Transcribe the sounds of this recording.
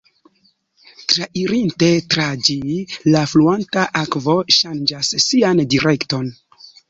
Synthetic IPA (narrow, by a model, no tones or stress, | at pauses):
tɾaʔiɾinte̞tɾad͡ʒilafluantaʔakvo̞ʃand͡ʒasːiandiɾʔe̞kto̞n